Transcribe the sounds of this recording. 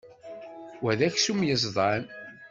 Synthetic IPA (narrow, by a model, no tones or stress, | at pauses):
wæðæçsumjəzˤðˤɑn